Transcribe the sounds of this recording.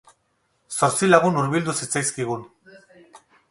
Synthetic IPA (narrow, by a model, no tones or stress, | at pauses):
soɾsilaɣunuɾβild̪usit͡sajskiɣun